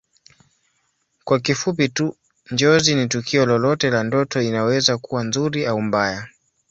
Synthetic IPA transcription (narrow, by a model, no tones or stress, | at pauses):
kwakifupitu | ɲd͡ʒɔzinitukʰiɔlɔlɔtɛlandɔtɔinawɛzakuwanzuɾiaum̩baja